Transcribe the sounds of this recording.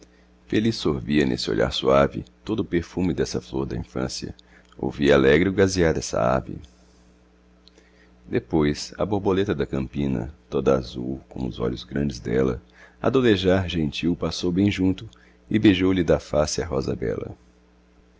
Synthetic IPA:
felisoɾviɐnʔḛsɪo̰ʎa̰ɾsuavɪt̪od̪ʊʊpeɾfũmɪd̪ɛsɐfloɾd̪ɐĩfɐ̰̃siɐ̰ | o̰wvialɛɡɾɪʊɡaziaɾd̪ɛsɐ̰a̰vɪ̰ | d̪epojsɐ̰boɾbolet̪ɐd̪ɐkɐ̃mpĩnɐ̰t̪od̪ɐazuwkõ̰ʊzɔ̰ʎʊzɡɾɐ̃nd͡ʒɪzd̪ɛlɐ̰ | a̰d̪oleʒaɾʒẽnt͡ʃiwpasowbẽj̃ʒũnt̪ʊ | ɪbeʒowlɪd̪ɐfasɪɐɦɔzɐ̰bɛ̰lɐ̰

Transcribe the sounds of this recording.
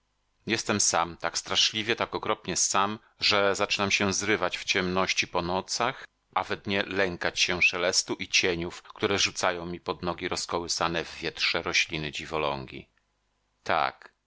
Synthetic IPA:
jɛst̪ɛmsamt̪akst̪ɾaʂlʲivʲjɛt̪akɔkɾɔpɲɛsam | ʐɛzat͡ʂɘnamɕɛzɾɘvat͡ɕft͡ɕɛmnɔɕt͡ɕipɔnɔt̪sax | ʔavɛd̪ɲɛlɛŋkat͡ɕɕɛʂɛlɛst̪uʔit͡ɕeɲufkt̪uɾɛʐut̪sajɔ̃w̃mʲipɔd̪nɔɡʲiɾɔskɔwɘsanɛvːʲjɛt̪ʂɛɾɔɕlʲinɘd͡ʑivɔlɔ̰ŋɡʲḭ | t̪a̰k

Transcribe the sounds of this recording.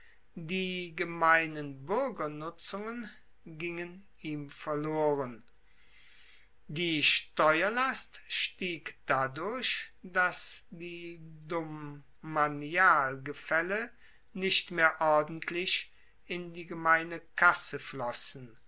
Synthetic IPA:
diːɡəmaɪnənbʏʁɡɐnʊt͡sʊŋən | ɡɪŋən | iːmfɛɐloːʁən | diːʃtɔʏɐlastʃtiːkd̥adʊɐɕd̥asd̥iːdʊmː | aniaːlɡəfɛlə | nɪʃtmeːɐʔɔɐdn̩tʰlɪʃ | ɪndiːɡəmaɪnəkʰasəflɔsn̩

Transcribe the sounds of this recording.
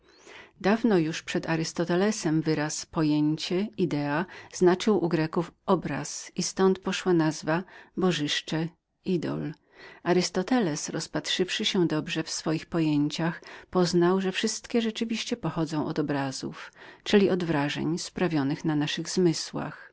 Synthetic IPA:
d̪avnɔjuʂpʂɛd̪aɾɘst̪ɔt̪ɛlɛsɛmvɘɾaspɔjeɲt͡ɕɛid̪ɛaz̥nat͡ʂɘwʔuɡɾɛkufʔɔbɾa̰sist̪ɔnt̪̚pɔʂwanazvabɔʐɘʂt͡ʂɛ | id̪ɔ̰l | aɾɨst̪ɔt̪ɛlɛsɾɔspatʂɘfʂɘɕɛd̪ɔbʐɛfsfɔjixpɔjeɲt͡ɕaxpɔznawʐɛfʂɘst̪kʲɛʐɛt͡ʂɘvʲiɕt͡ɕɛpɔxɔd̪zɔ̃w̃ʔɔ̰d̪ɔbɾazṵft͡ʂɘlʲiʔɔd̪vɾaʐɛ̰ɲspɾavʲjɔnɘxnanaʂɘɣzmɘswa̰x

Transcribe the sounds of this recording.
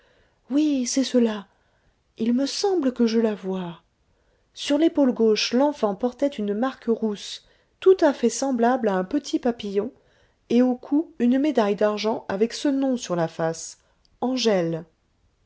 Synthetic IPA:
wisɛsəla | ilməsɑ̃bləkəʒəlavwa | syʁlepolɡoʃlɑ̃fɑ̃pɔʁt̪ɛt̪ynmaʁkʁus | t̪ut̪afɛsɑ̃blablaɛ̃pət̪ʰipapijɔ̃ | eokʰuynmed̪ajd̪aʁʒɑ̃avɛksənɔ̃syʁlafas | ɑ̃ʒɛl

